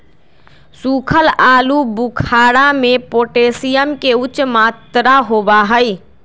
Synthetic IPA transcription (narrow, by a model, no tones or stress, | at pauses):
sukʰəlaːlubukʰaɽamepoʈesijəmkeut͡ʃmat̪ɾaɦobaɦəj